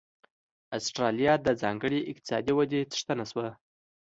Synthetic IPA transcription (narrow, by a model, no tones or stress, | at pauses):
asʈɾɑlijɑd̪əd͡zɑŋɡəɽeʔɪqt̪ɪ̥sɑ̰d̪iwad̪et͡sʂt̪ənaswa